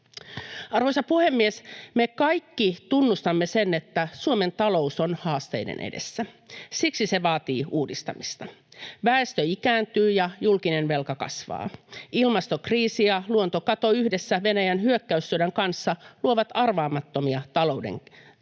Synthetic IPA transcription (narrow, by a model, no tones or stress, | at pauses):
ɑrʋo̞jsɑpuhe̞mːiesmekɑjkːit̪unːust̪ɑmːesenːe̞t̪ːæsuome̞nt̪ɑlo̞uso̞nhɑːst̪e̞̰jdḛnʔḛdḛsːæ | siksise̞ʋɑːt̪iːuːdist̪ɑ̰mist̪ɑʋæest̪øikæːnt̪yːjɑjulkine̞nʋe̞lkɑkɑ̰sʋɑ̰ːilmɑst̪o̞kriːsiɑluont̪o̞kɑt̪o̞yhde̞sːæʋe̞næjænhyøkːæysːyɾæŋkɑnsːɑluoʋɑt̪ɑrʋɑːmɑt̪ːo̞miɑt̪ɑlo̞ude̞̰ŋ